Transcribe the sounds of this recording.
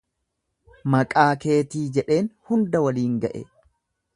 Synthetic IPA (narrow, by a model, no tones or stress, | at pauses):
mɐkʼaːke̞ːt̪iːd͡ʒɛᶑe̞ːnhʊnd̪ɐwɐliːŋɡɐʔḛ